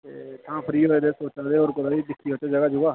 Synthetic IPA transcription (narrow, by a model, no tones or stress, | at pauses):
et̪ʰãːpʰəɾiːɦoːeːd̪eːsoːt͡ʃaːd̪eːoːɾkʊd̪aːiːd̪ɪkʰːiːɦoːt͡ʃed͡ʒəɡaːd͡ʒʊɡaː